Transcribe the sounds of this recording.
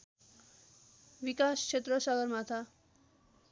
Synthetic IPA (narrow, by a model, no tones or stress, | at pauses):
ʋikaskʰet̪ɾʌsʌɡʌɾmat̪ʰa